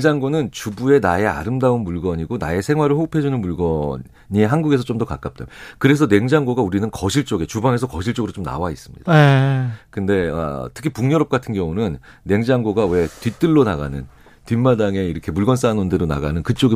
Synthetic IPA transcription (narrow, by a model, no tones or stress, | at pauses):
ŋd͡ʑaŋɡonɯnt͡ɕubue̞nae̞a̰ɾɯmdaunmuɭɡʌɲiɡona̰e̞sʰe̞ŋɦwaɾɯɭhopʰe̞d͡ʑunɯnmuɭɡʌ | ɲieɦanɡuɡe̞sʰʌt͡ɕomdʌkak͈ap̚t͈ajokɯɾe̞sʰʌne̞ŋd͡ʑaŋɡoɡauɾinɯnkʌɕʰiɭt͡ɕ͈oɡe̞t͡ɕubaŋe̞sʰʌkʌɕʰiɭt͡ɕ͈oɡɯɾot͡ɕomna̰wais͈ɯmɲid̥akɯnde̞ʌ̰tʰɯ̥kʰipuŋɲʌɾʌp̚k͈atʰɯnɡjʌŋunɯnːe̞ŋd͡ʑaŋɡoɡawe̞tɥit͈ɯɭːonaɣa̰nɯn | timːadaŋe̞iɾʌkʰe̞muɭɡʌns͈anondeɾona̰ɡanɯnkɯt͡ɕ͈oɡe